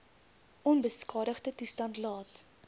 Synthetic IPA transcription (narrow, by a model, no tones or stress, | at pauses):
ʔɔnbəskɑːɾəχdətustɐntlɑːt